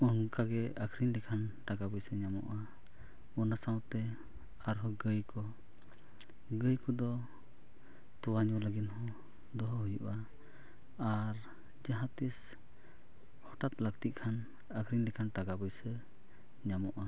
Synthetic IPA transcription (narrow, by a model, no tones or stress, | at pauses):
ɔnkaɡɛəkʰɾinlikʰanʈaɡabɔjsɛɲamɔ̰ʔa | ɔnasawt̪ɛ | aɾɦɔɡəjkɔ | ɡəjkɔd̪ɔ | t̪ɔwaɲɔləɡinhɔ | d̪ɔɦɔɦɔjuʔa | aɾ | d͡ʒaɦãt̪is | hɔʈat̪lək̚t̪iʔ̪̚ˀkʰan | əkʰɾiɲlikʰanʈaɡabɔjsɛ | ɲamɔʔa